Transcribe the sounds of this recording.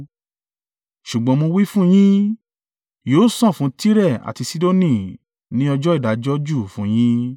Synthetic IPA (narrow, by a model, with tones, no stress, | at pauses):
ʃu˨ɡ͡bɔ̃˨˧˦mõ˧wi˦fũ˦j̃ĩ˦ | joː˨˦sɔ̃˦˨fũ˨˦ti˦ɾɛ˦˨a̰˨ti˧si˦do˦nĩ˦˨ | nĩ˦ɔ˧d͡ʒɔ˦i˦˨da˨˦d͡ʒɔ˦d͡ʒu˦˨fũ˨˦j̃ĩ˦